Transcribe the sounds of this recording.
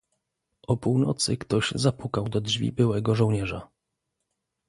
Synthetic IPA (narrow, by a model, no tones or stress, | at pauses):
ʔɔpuwnɔ̰t̪sɘ̰kt̪ɔʑzapukawd̪ɔdʐvʲḭbɘwɛɡɔʐɔ̃w̃ɲɛʐa̰